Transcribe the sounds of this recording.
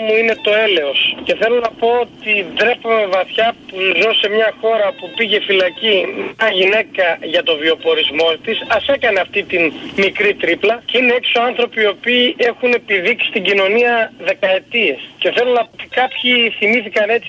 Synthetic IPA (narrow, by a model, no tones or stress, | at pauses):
muine̞t̪o̞e̞le̞o̞sce̞θe̞lo̞nɐpo̞ot̪id̪ɾe̞pome̞vɐθçɐpuzose̞mɲɐxo̞ɾɐpupiʝe̞filɐcimɐʝine̞kɐʝɐt̪o̞vio̞po̞ɾizmo̞t̪isɐse̞kɐne̞ɐft̪it̪inmikɾit̪ɾiplɐceineeksoɐnθɾo̞pio̞piːe̞xune̞piðiksi̥st̪iɟino̞niɐðe̞kɐe̞t̪ie̞sce̞θe̞lo̞nɐpot̪i̥kɐpçiθimiθikɐne̞t͡s